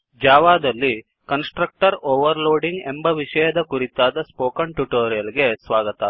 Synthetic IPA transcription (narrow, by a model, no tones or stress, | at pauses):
d͡ʒaːʋaːd̪ɐlːi | kɐnsʈɾɐk̚ʈɐɾoːʋɐɾloːɖiŋɡembɐʋiʂɐjɐd̪ɐkuɾit̪ːaːd̪ɐspoːkɐɳʈjuʈoːɾijɐlɡesʋaːɡɐt̪ɐ